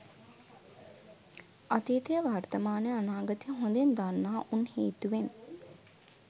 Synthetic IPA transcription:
at̪eːt̪ijəʋart̪əmaːnəjəanaːɡət̪ijəɦond̪end̪anːaːʔunheːt̪uʋen

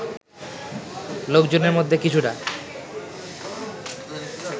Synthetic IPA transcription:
lokd͡ʑoneɾmod̪ʱːekit͡ɕʰuʈa

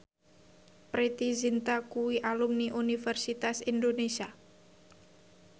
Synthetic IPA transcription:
pɾit̪izint̪akuwiʔalumniʔunifɛrsit̪asindonesia

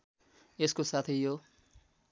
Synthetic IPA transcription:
eskosat̪ʰijjo

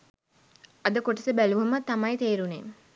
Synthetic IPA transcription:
ɐd̪əkoʈəsəbæluʋɐmɐt̪ːɐmɐjt̪eːɾunem

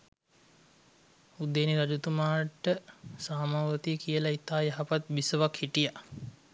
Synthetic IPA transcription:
ud̪eːniɾad͡ʒut̪umaːʈːəsaːmaːʋət̪ijəkijəlait̪aːjəɦapat̪̚bisəʋakhiʈija

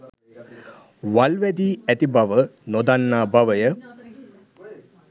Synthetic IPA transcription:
ʋalʋæd̪iːæt̪ibaʋənod̪anːaːbaʋəjə

